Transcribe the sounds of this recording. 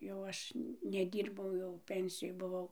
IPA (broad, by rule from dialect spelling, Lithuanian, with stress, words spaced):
jɛʊ ˈɐʃ nʲɛˈdʲiːrbɐʊ jɛʊ ˈpʲɛnʲsʲɪjoːj bʊˈʋɐʊ